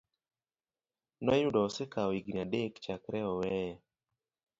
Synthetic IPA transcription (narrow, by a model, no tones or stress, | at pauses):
nɔjudɔsekaɔiɡniadekt͡ʃakɾɛɔwɛjɛ